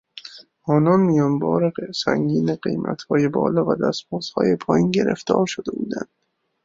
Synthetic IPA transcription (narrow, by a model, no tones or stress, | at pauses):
ʔɒːnɒːnmijɒːnbɒːɾesæŋɡiːneɢe̞̰jmʔæ̰t̪hɒːjebɒ̰ːlɒːvæd̪æsmuːz̥hɒ̰ːjepʰɒːjiːnɟe̞ɾḛft̪ɒːɾʃod̪e̞buːd̪ænd̪̥